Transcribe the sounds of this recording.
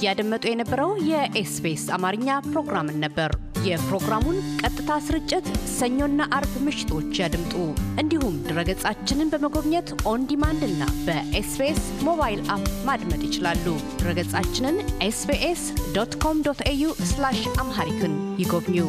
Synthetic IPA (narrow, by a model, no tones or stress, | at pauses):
jad̪əmːət̪ʼujɛnəbːəɾəwjɛʔesbesamaɾɨɲːapɾo̞ɡɾamɨnːəbːəɾ | jɛpɾo̞ɡɾamunkʼət̪ʼːɨt̪ʰasɨɾɨt͡ʃʼːɪt̪səɲːo̞nːaʔaɾbmɨʃɪ̥t̪ʰo̞t͡ʃːjad̪ɨmt̪ʼuʔɨnd̪ihumd̪ɨɾəɡət͡sʼat͡ʃːɪnɨnbəməɡo̞βɲət̪ʔo̞nd̪imand̪ɨnːa̰b̥əʔesbesmo̞βajilʔapmad̪mət̪ʼjɪt͡ʃɪlalːud̪̥ɨɾəɡət͡sʼat͡ʃːɪnɨnʔesbeʔesd̪ot̪kʰo̞md̪ot̪ejuslaʃamɦaɾit̪ʰunjɪɡo̞βɲːu